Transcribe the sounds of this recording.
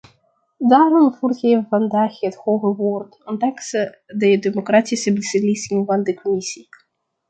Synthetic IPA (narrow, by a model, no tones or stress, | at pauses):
daːrɔmvuːrɣeːvəvɑndaːxəthoːɣəʋoːrtɔndɑŋksə | dədømokraːtisəbəsəlisɪŋvɑndəkɔmisi